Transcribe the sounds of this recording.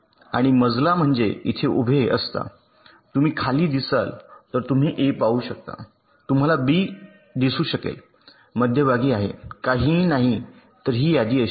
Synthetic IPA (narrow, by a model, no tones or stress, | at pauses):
a̰ɽ̃iməd͡zlam̤əɳd͡zḛḭt̪ʰeʔubʱeəst̪a̰ | t̪um̤iːkʰaliːd̪isa̰lt̪əɾt̪um̤iːʔepauːɕək̚t̪a̰ | t̪um̤alabiː | d̪isuːɕəkḛl | məd̪ʱjəbʱaɡiːaɦḛkaɦiːnaɦi | t̪əɾɦiːjad̪iːə